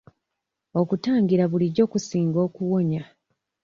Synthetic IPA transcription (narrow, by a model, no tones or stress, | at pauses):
o̞kutaːŋɡiɾaβuliɟːo̞ːkusiːŋɡo̞ːkuwo̞ɲa